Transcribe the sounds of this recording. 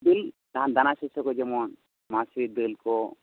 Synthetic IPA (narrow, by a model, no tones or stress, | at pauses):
d̪ilt̪aɦand̪anasisɔkɔd͡ʒɛmɔn | masid̪ilko